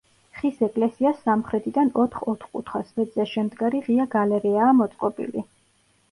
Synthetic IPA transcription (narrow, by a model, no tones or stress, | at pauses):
χisɛkʼlɛsiasːamχɾɛt̪ʰid̪anɔt̪ʰχɔt̪ʰχkʼṵt̪ʰχasvɛd̪zɛʃɛmd̪ɡaɾiʁiaɡalɛɾɛaːmɔt̪sʼqʼɔbḭli